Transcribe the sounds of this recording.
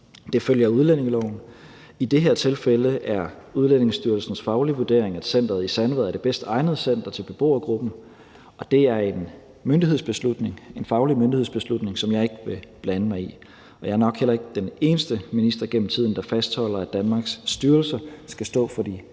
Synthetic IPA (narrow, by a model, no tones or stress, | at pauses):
d̥e̝føljɐuð̞ˠlene̝ŋlɒʊn̩ | id̥e̝ɦeɐ̰t͡sʰe̝lfeləʔæɐ | uðˠlen̰e̝ŋsd̥yɐlsn̩sfɑ̈ʊliʋuɐd̥e̝̰ɐ̰eŋæd̥sen̰d̥ɐð̩ˠisænʋð̩ˠɐd̥e̝b̥esd̥ɑ̈ɪnəð̞̩ˠsen̰d̥ɐt͡sʰe̝lb̥e̝b̥o̝̰ːɐɡ̥ʁub̥n̩ | ɒ̽d̥e̝æɐe̝n | mønd̥ihe̝̰sb̥e̝slud̥ne̝ŋe̝nfɑ̈ʊlimøndihe̝ð̰ˠsb̥e̝slud̥ne̝ŋsɒ̽mjɑ̈ɪe̝ɡ̥əʋe̝b̥lænəmɑ̈ɪi | ɒjɑ̈æɐnɒ̽ɡ̥hel̰ɐe̝ɡ̥ə̥d̥ene̝ːnəsd̥əminisd̥ʁɐɡ̥en̰m̩t͡sʰið̰ˠn̩d̥ɑ̈fæsd̥hɒ̽l̰ɐædd̥ænmɑ̈ːɡ̥sd̥yːɐlsɐsɡ̥æsd̥ɔ̰ːfɒ̽d̥ḭ